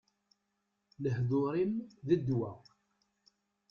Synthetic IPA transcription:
ləɦðʊɾimðəd̪wæ̰

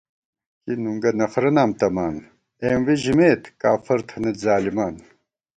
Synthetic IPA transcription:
kinuŋɡɐnɐfɾɐnaːmt̪ɐmaːn | emwiʑimeːt̪kaːfɐɾt̪ʰɐnɐzaːlimaːn

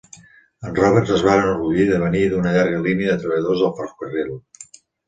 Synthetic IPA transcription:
ənrɔβəɾzəzβanənuɾɣuʎiðəβəniðunəʎaɾɣəliniəðət̪ɾəβəʎəðozðəlˠpaɾərilˠ

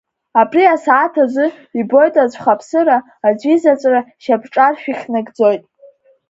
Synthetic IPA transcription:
abʼriasaːtʰazɨ | ibo̞jtʼat͡ɕʷʰʼχapʰsɨɾaː | d͡ʒʷizat͡ʃʷʼraʃabʈ͡ʂʼarʃᶣiχʲnaɡd͡zo̞jtʼ

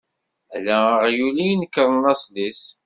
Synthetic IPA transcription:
ælæəʁjulijnəkːəɾˤnɑslis

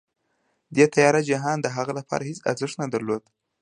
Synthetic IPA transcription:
d̪et̪ajɑɾad͡ʒaɦɑnd̪əɦaɣalapʰɑ̰ɾʔahɪsa̰ɾzəʂnad̪aɾlod̪

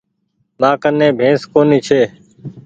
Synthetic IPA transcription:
mãːkənẽːbʱẽːskoːniːt͡ʃʰeː

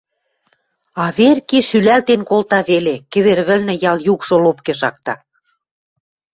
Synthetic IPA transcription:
ɑβerkiʃylælt̪enkolt̪ɑβelekɘ̆βerβɘ̆lnɘ̆jɑljukʃolopkeʃɑk̚t̪ɑ̰

